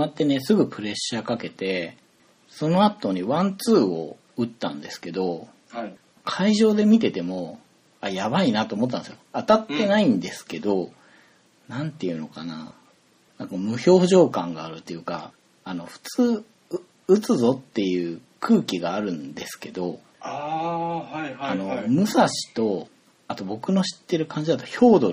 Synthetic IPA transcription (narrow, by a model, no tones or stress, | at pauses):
oat̪ːe̞ne̞sɨɡɯ̟pɯ̟ɾe̞ɕːakake̞t̪e̞ | so̞no̞at̪o̞ɲ̟iβãnt͡sɨːo̞̰ | ɯ̟t̪ːã̰nd̪e̞sɨ̥ke̞d̪o̞ | kʰaiʑo̞ːd̪e̞mʲit̪e̞t̪e̞mo̞ | ajaβainat̪oːmot̪̬ːanesɨjoat̪at̪ːe̞naĩnd̪e̞sɨ̥ke̞d̪o̞ | nãnt̪eɯ̟no̞kana̰ | nãŋkamɯ̟ço̞ːʑo̞ːkãŋɡaːɾɯ̟t̪ːe̞jɯ̟ka̰ | ano̞ɸɯ̟̥t͡sɨː | ɯt͡sɨzo̞t̪ːe̞jɯ̟ː | kʰɯ̟ːkʲiɡaːɾɯ̟̃nd̪e̞sɨ̥ke̞d̪o̞ | aano̞mɯ̟saɕi̥t̪o̞ | at̪o̞bo̞kɯ̟no̞ɕi̥t̪ːe̞ɾɯ̟kãɲ̟d͡ʑid̪at̪o̞ço̞ːd̪o̞